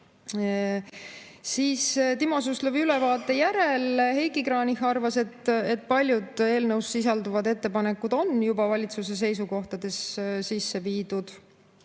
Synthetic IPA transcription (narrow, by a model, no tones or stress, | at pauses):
siːst̪imo̞s̬usluviylevɑːt̪ːˑe̞jæɾe̞lhe̞jkikɾɑːnihɑrvɑse̞t̪e̞t̪̚ːˑpɑlʲjud̪e̞ːlnəwsːis̬ɑld̪uvɑd̪e̞t̪ːe̞pɑne̞kːˑud̪̥o̞njubɑvɑlʲit̪suse̞s̬e̞jsuko̞ht̪ɑd̪̥e̞ssisːe̞viːd̪̥ud̪̥